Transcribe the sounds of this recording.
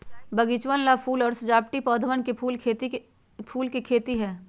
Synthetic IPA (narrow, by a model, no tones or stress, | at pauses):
bɐɡit͡ʃʋənlapʰuːlɔːɾsɐd͡ʒaːpʈipɔːd̪ʱʋənkepʰuːlʰ | pʰuːlkikʰeːt̪iɦɛː